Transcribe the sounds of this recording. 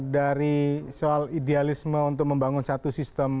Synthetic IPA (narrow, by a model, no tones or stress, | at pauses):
daɾisoalidealisməunt̪̬ʊk̚məmbaŋʊnsat̪usist̪əm